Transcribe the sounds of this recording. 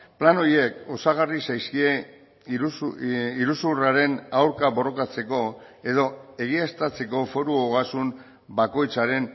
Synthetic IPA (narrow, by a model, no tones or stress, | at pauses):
plano̞je̞ko̞saɣ̞arisajskie̞ | iɾusuraɾe̞nawɾkaβo̞ro̞kat͡se̞ko̞e̞ðo̞e̞ɣ̞iast̪at͡se̞ko̞fo̞ɾuoɣasun | bako̞jt͡saɾe̞n